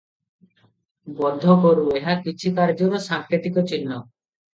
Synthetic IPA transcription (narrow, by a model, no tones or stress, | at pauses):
bɔd̪ʱːɔkɔɾueɦakit͡ʃʰikaɾd͡ʒɔɾɔsaŋkʰɾit̪ikɔt͡ʃinːɔ